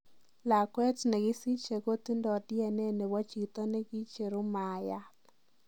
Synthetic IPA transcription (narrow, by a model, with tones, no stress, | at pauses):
la˨kwɛ˦tnɛ˨ɡɪ˦si˦t͡ʃe˨ko˦t̪i˦ndɔ˨djɛ˨ne˦ne˨wa˦t͡ʃi˨t̪ɔ˦ne˦ɡi˦t͡ʃe˨ɾu˦ma˨ja˦